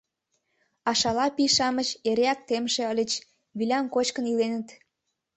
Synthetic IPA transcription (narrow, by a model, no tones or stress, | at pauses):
ɑʃɑlɑpiʃɑmət͡ɕeɾeɑk̚t̪emʃeəlʲət͡ɕ | βilʲɑmkot͡ɕkənilenə̆t̪